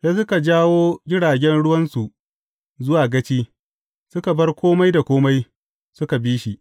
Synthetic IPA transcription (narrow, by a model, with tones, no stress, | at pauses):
ja˦sʊ˦ka˨d͡ʒaː˦woː˦ɡʲɪ˦ɽaː˨ɡʲɛ˦nɽʊ˦wɐ˦nsu˨ʔ | zʊ˦waː˨ɡɐ˦t͡ʃiː˦ | sʊ˦ka˨bɐ˦rkʷʰoː˦ma˦jda˨kʷoː˦ma˦j | sʊ˦ka˨biː˦ʃi˨